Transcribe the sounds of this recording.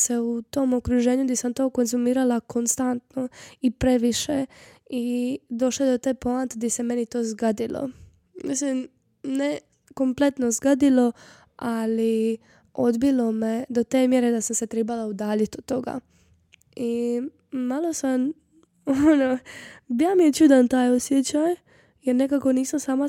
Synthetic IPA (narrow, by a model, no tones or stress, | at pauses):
seut̪o̞mokɾuʒe̞ːɲud̪isamt̪o̞ːko̞nzumiːɾalako̞nst̪ant̪no̞ipɾe̞ʋiʃe̞ | id̪o̞ʃloed̪ot̪epoant̪ed̪ise̞me̞nit̪o̞ːzɡad̪ilo̰ | mis̬lim | ne | ko̞mple̞t̪no̞zɡad̪ilo̞ | ali | o̞d̪bilo̞med̪o̞t̪e̞ːmjeɾed̪asamse̞t̪ɾebalaud̪aːʎit̪od̪̚t̪ːo̞ɡa̰ | i | malˠo̞sam | onobijamijet͡ʃud̪ant̪aːjosjet͡ɕaj | jeɾne̞kako̞niːsamsaːma